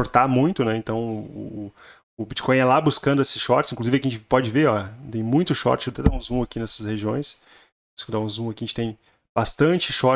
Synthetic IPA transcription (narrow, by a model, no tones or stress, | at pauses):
oɾt̪amũj̃t̪ʊnɛẽnt̪ɐ̃w̃ʊ̰ː | ʊbit͡ʃi̥kõj̃ɛlabuskɐ̃nd̪ʊesɪ̥sʃɔɾt͡ʃɪzĩkluzivɪkɪʒẽt͡ʃɪpɔd͡ʒɪveɾɔt̪ẽj̃mũj̃t̪ʊʃɔ̰ɾt͡ʃɪet̪ɛd̪aũzũakinɛsɐsheʒiõj̃s | skõd̪aũzũɐkiʒẽt͡ʃɪt̪ẽj̃ | b̥ast̪ɐ̃nt͡ʃɪʃɔɾ